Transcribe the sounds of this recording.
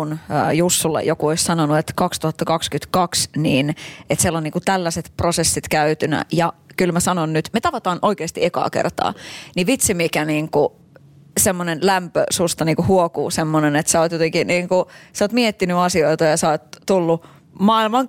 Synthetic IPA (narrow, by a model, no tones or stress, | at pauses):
nːjusːulːḛjokuoissɑnonuet̪kɑkst̪uhɑt̪ːɑkɑkskyt̪kɑksniːnet̪selːonniːŋkut̪ælːæset̪prosesːit̪kæyt̪ynæ̰jɑkylmæsɑnonnyt̪met̪ɑʋɑt̪ɑːnʔoikeːst̪iekɑ̰ːkḛrt̪ɑ̰ːniʋit̪simikæniːŋku | semːonenlæmpø̰sust̪ɑniːŋkuhuokṵːsemːonenet̪sɑoːt̪jot̪eŋkiniːŋkusoːt̪miet̪ːinyɑsioit̪ɑjɑsɑːt̪t̪ulːu | mɑːilmɑŋ